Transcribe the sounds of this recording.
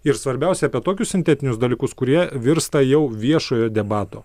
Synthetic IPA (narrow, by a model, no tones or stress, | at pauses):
ɪɾsʋɐɾʲbʲɛˑʊsʲɛɐpʲiɛt̪oːkʲʊssʲɪnʲt̪ʲɛːt̪ʲɪnʲʊsd̪ɐlʲiːkʊskʊɾʲiɛʋʲɪɾst̪ɐjɛʊʋʲiɛʃoːjoːd̪ʲɛbɑːt̪oː